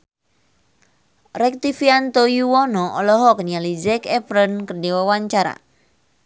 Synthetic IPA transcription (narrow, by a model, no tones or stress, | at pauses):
rɛk̚t̪ifiant̪ojuwɔnɔɔlɔɦɔknialid͡ʒɛkɛpɾənkərdiwawaɲt͡ʃaɾa̰